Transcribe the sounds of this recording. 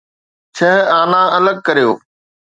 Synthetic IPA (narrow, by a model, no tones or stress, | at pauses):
t͡ɕʰɐɦaːnãɐləɡ̚kɐɾijoː